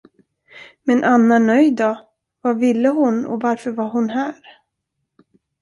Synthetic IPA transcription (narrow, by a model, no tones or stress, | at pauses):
mɛnʔanːanœjd̪ɔ | vavɪlːəɦʊnɔ̰vaɾfœɾvaɦʊnɦæːɾ